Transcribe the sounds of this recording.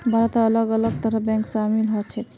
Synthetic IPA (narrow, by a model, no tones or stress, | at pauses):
bʱaɾt̪aːləɡələɡ̚t̪əɾəɦbɛ̃ŋksamilɦot͡ʃʰɛt̪